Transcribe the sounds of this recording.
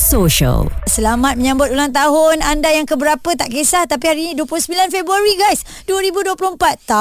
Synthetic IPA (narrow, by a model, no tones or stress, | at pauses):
soʃə̰lsəlamat̪̚məɲãmbʊt̪̚ulaŋt̪aɦʊnandajaŋkəbəɾapət̪aʔkesaht̪apihaɾinĩduəplʊhsəmbilanfebɾuaɾiɡajs | duəɾibuduəplʊhmpat̪ːa